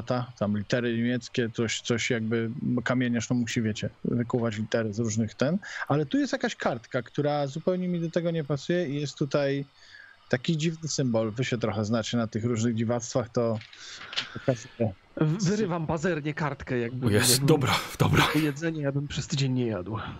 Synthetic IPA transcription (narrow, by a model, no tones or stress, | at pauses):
t̪at̪amlʲit̪ɛɾɘɲemʲjɛt̪skʲɛt̪sɔɕt̪sɔɕjaɡ̚bɘɔkamʲjeɲaʂnɔmuɕivʲjet͡ɕɛvɘkuvat͡ɕlʲit̪ɛɾɘzɾuʐnɘxt̪ɛnalɛt̪ujɛst̪jakaɕkaɾt̪kakt̪uɾazupɛwɲɛmʲid̪ɔt̪ɛɡɔɲɛpasujɛijɛst̪ːut̪aj | t̪akʲid͡ʑivnɘsɘmbɔlvɘɕɛt̪ɾɔxɛznat͡ɕɛnat̪ɘxɾuʐnɘɣd͡ʑivat̪st̪faxt̪ɔ | ɔkazɛ | vɘɾɘvampazɛɾɲɛkaɾt̪kɛjaɡ̚bjɛsɛd̪ɔbɾad̪̥ɔ̰bɾɔujɛd̪zɛɲɛjabɘmpʂɛst̪ɘd͡ʑeɲːɛjad̪w